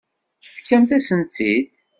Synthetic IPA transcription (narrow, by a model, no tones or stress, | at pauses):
əfkːæmθæsənt̪id̪